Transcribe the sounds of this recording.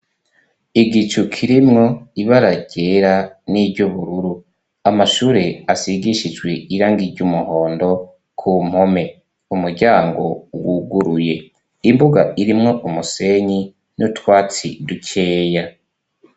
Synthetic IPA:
iɡit͡ʃukʰiɾimŋo̞iβaɾaɟe̞ɾanibɟuβuɾuɾu | amaʃuːɾeasiɡiʃid͡ʒɡwe̞iɾaːŋɡiɾɟumuho̞ːndo̞ | kʰum̥ho̞me̞ | umuɾɟaːŋɡo̞̰wuɡuɾuje̞ | imbuɡaʔiɾimŋo̞ʔumuse̞ɲi | nutwaːt͡sḭducʰeːja

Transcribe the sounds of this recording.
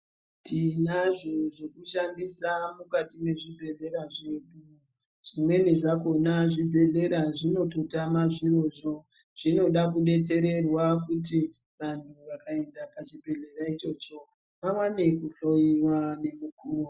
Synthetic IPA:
tʰinaʐoʐe̞kuʃandisamukatime̞ʐibʱe̞ɮe̞ɾaʐe̞ɗu | ʐ̥imwe̞neʐako̞naʐibʱe̞ɮe̞ɾaʐino̞totamaʐiro̞ʐo̞ | ʐ̥ino̞ɗakuɗe̞t͡se̞ɾe̞rwakut̬i | ʋantʰuʋakae̞ndapaʐibʱe̞ɮe̞ɾait͡ʃo̞t͡ʃo̞ | ʋawane̞kuɬoiwane̞mukuːro

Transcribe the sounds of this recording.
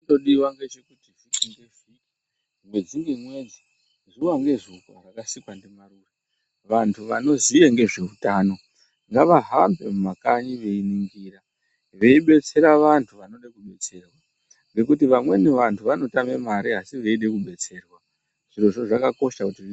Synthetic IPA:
do̞ɗiwaŋɡe̞t͡ʃekutiʐikindefii | mwe̞d͡ziŋɡemwe̞d͡zi | zuwaŋɡe̞ʐuka̰rakasikwande̞maruːre | ʋantʰuʋano̞zijeŋɡe̞ʐe̞utaːno̞ | ŋɡaʋaɦambe̞mumakaɲiʋe̞iniŋɡiːra | ʋe̞iɓe̞t͡se̞ɾaʋantʰuʋano̞ɗakuɓe̞t͡se̞ːrwa | ŋɡe̞kutiʋamwe̞neʋantʰuʋano̞tame̞maɾiɦasiʋe̞iɗe̞kuɓe̞t͡se̞ːrwa | ʐ̥iro̞ʐo̞ʐakako̞ʃakuti

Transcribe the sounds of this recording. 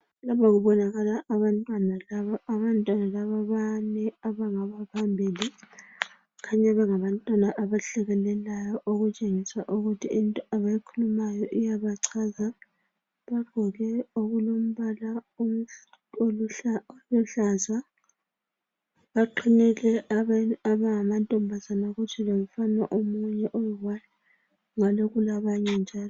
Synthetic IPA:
laβaɣuβɔnaɣalaʔːβantʼwanalaβaaβantʼwanalaβaβanɛaβaŋaβapʰambʱiːli | kʰaɲaβɛŋaβantʼwanaʔaβaɬɛɣɛnɛlajɔʔoɣut͡ʃʼeŋisaʔuɣutʰiintʼɔʔaβajikʰulumajɔʔijaβaǀʰaza | βaɡ̥ʱɔɣɛoɣulom̩βalaom̩ʼ | ollɔɬaza | βaǃʰinɛlɛ | aβaŋamantʼɔmbʱazanaɣut͡ʃʰɛlomufana̰ʔomuɲɛʔojiɣwajɔ | ŋaloɣulaβaɲɛnd͡ʒʱaːlɔ

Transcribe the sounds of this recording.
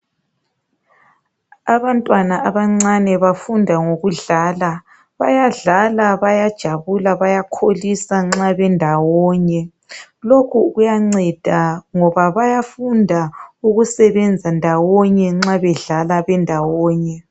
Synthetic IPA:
aβantʼwanaʔaβaŋ͡ǀanɛβafundʱaŋoɣuɮaːla | βajaɮalaβajad̥ʒ̥ʱaβulaβajakʰolisaŋ͡ǁaβɛndʱawɔːɲɛ | lokʰuɣujaŋ͡ǀɛd̥ʱaŋɔβaβajafundʱauɣusɛβɛnd͡zʱandʱawɔɲɛŋ͡ǁaβɛɮalaβɛndʱawɔːɲɛ

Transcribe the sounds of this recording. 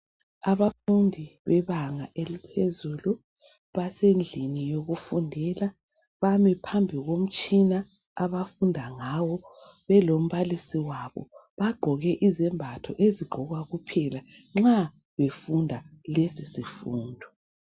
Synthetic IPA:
aβafundʱiβɛβaŋaʔelipʰezuːlu | βasend͡ɮʱinijoɣufundʱɛla | βamɛpʰambʱiɣom̩t͡ʃʼina | aβafundʱaŋawɔβɛlom̩βalisiwaβɔ̰βaɡ͡ǃʱɔɣɛʔizɛmbʱatʰɔ̰ʔeziɡ͡ǃʱɔɣwaɣupʰɛlaŋ͡ǁa | βefundʱalesisifuːndʱɔ

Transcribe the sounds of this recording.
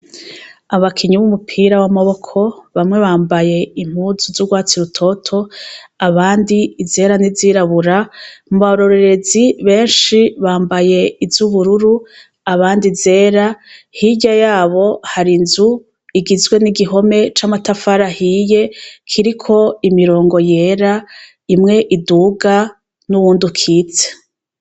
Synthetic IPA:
aβakʰiɲuβumupʰiːɾawamo̞βo̞kʰo̞βamŋe̞βaːmbaje̞im̥huːzuzuɡwaːt͡siɾutʰo̞tʰo̞aβaːndiize̞ːɾaniziːɾaβuɾamuβaɾo̞ɾe̞ɾe̞ziβe̞ːnʃiβaːmbaje̞izuβuɾuɾu | aβaːndize̞ːɾahiɟajaːβo̞haɾinzu | iɡizɡwe̞niɡiɦo̞me̞t͡ʃamatafaɾahije̞kʰiɾikʰo̞imiɾo̞ːŋɡo̞je̞ɾa | imŋe̞ʔiduɡa | nuβuːndukʰiːt͡se̥

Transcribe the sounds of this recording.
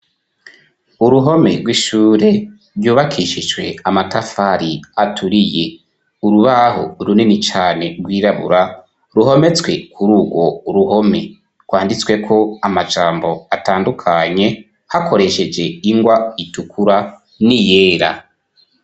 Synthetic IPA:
uɾuɦo̞me̞ɾɡwiʃuːɾe̞ | ɾjuːβakʰiʃid͡ʒwe̞amatafaɾiatʰuɾije̞ | uɾuβaɦo̰ɾuninit͡ʃaːne̞ɡwiːɾaβṵɾa | ɾuɦo̞me̞t͡swe̞kʰuɾuːɡwo̞ɾuho̞me̞̰ | ɡwaːndit͡swe̞kʰo̞amad͡ʒaːmbo̞ataːndukʰaɲe̞ | hakʰo̞ɾe̞ʃe̞d͡ʒe̞iŋɡwaitukʰuɾa | nije̞ːɾa̰

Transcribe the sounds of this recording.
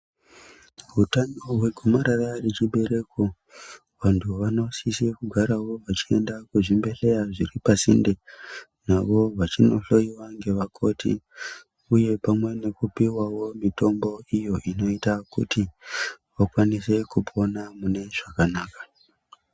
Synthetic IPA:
ɦutano̞ɦwe̞ɡʱomaɾararet͡ʃiɓe̞ɾe̞ko | ʋantʰuʋano̞sisikuɡʱaɾawo̞ʋat͡ʃiendakuʐimbe̞ɬe̞jaʐiripasḭndenaʋo̞ʋat͡ʃino̞̰ɬo̞iwaŋɡe̞ʋakʰo̞tʰḭ | uje̞pamwe̞ne̞kupiwawo̞mito̞mbo̞ijo̞ʔino̞itakṵtiʋakwanise̞kupʰo̞namune̞ʐakanaːkḁ

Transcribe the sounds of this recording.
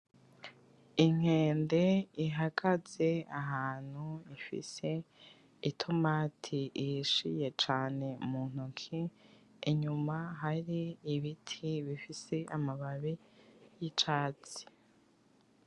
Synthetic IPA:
iŋ̥e̞ːnde̞iɦaɡ̥az̥e̞aɦaːn̥huifḭse̞ | itʰomaːtʰiʃije̞t͡ʃaːne̞mun̥ukʰi | iɲumaɦaɾiːβitʰiβifise̞ʔamaβaβijit͡ʃaːt͡si̥

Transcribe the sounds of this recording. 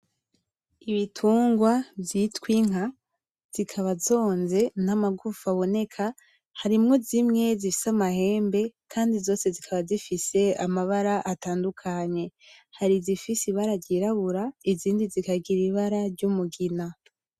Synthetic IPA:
iβitʰuːŋɡwavjitwiŋ̥ɦa | z̥ikʰaβazo̞ːnze̞namaɡufaβo̞ne̞kʰa | haɾimŋo̞zimŋe̞zifi̥samahe̞ːmbe̞kʰaːndizo̞ːse̞zikʰaβazifise̞amaβaɾaʔataːndukʰaɲe̞haɾizifisiβaɾaɟɟiɾaβuɾaiziːndizikaɡiɾiβaɾaɾɟumuɡina

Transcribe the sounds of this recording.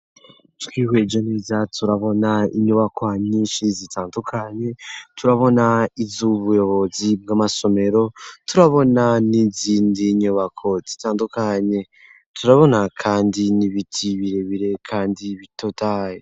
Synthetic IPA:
twiːhwed͡ʒo̞neːzatʰuɾaβo̞naiɲuβakwaɲiʃizitʰaːndukʰaɲe̞tuɾaβo̞naivzuβujo̞βo̞zib̚ɡamaso̞me̞ɾo̞tuɾaβo̞naniziːndiɲuβakʰo̞z̥itaːndukaɲe̞ | tʰuɾaβo̞nakʰaːndiniβitʰiβiɾe̞βiɾe̞kʰaːndiβitotaːje

